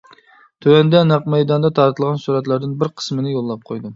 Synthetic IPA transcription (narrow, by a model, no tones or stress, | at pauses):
t̪ʰøwɛnd̪ɛnɑqmɛjd̪ɑnd̪ɑt̪ʰɑɾt̪ʰɨlˠʁɑnsuɾɛt̪lˠæɾd̪ɪnbɪɾqʰə̥smɨnɪjolˠːɑp̚qʰojd̪ɨ